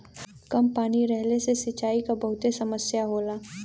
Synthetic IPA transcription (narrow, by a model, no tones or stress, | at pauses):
kɐmpaːniɾɛɦlesesɪt͡ʃaːikabɐɦʊt̪esɐməsjaɦoːlaː